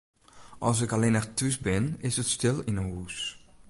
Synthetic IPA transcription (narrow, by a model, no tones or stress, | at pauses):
ʔɔlˠs̬ɪkalenɛxtʰys̬bɪnɪsətstɪlˠinəɦus